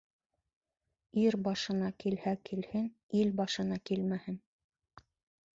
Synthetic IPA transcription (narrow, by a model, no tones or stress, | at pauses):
iɾbɑʃɤ̆nɑkilhækilhɘn | ilbɑʃɤ̆nɑkilmæhɘn